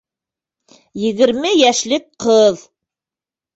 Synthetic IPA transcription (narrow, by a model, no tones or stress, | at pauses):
jɘ̆ɣɘ̆ɾmɘjæʃlɘk̚qɤð